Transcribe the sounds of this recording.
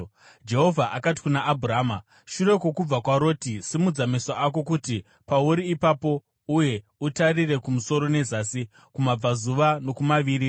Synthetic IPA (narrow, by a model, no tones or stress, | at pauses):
d͡ʒe̞ɦo̞vʱaʔakat̬i̥kunaʔːbʱuɾaːma | ʃure̞ko̞kub͡vakwaɾo̞ːtisimud͡zamesaʔako̞kuti | pauɾiːpapo̞ | uje̞ | utarire̞kumuso̞ɾo̞ne̞zaːsi | kumab͡vazuʋano̞kumaʋiːɾi